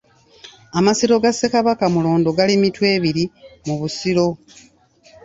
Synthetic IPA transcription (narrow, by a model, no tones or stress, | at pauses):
amasiɾo̞ɡasːe̞kaβakamulo̞ːndo̞ɡalimitwe̞ːβiɾimuβusiɾo̞